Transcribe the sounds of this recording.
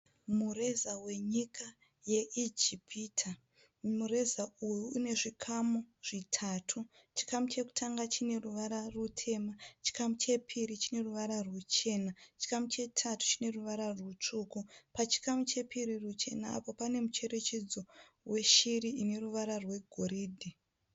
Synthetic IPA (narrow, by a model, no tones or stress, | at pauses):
mure̞zawe̞ɲikʰa | je̞ʔid͡ʒipʰiːtʰa | mure̞zaujuːne̞ʐikʰamuʐ̥itʰaːtʰu | t͡ʃi̥kamut͡ʃe̞ku̥tʰaŋɡat͡ʃine̞ruʋaɾarutʰe̞mat͡ʃi̥kamut͡ʃe̞pʰiɾit͡ʃine̞ruʋaɾarwut͡ʃe̞nat͡ʃi̥kamut͡ʃe̞tʰatu̥t͡ʃine̞ruʋaɾarwut͡ʂukupat͡ʃi̥kamut͡ʃe̞pʰiɾirut͡ʃe̞naa̰po̞pane̞mut͡ʃe̞ɾe̞t͡ʃe̞d͡zo̞ | rwe̞ʃiriine̞ruʋaɾarwe̞ɡʱoɾiːdʱi